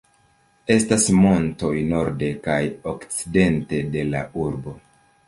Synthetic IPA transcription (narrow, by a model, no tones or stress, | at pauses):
e̞stasmo̞nto̞jno̞ɾde̞kajokt͡si̥de̞nte̞de̞la̰ʔuɾbo̞